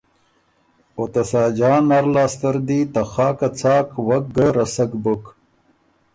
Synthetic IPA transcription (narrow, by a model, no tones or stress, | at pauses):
ot̪asaːd͡ʑaːnaɾlaːst̪ɐɾd̪it̪axaːkat͡saːkwɐk̚ɡaɾɐsɐkbuk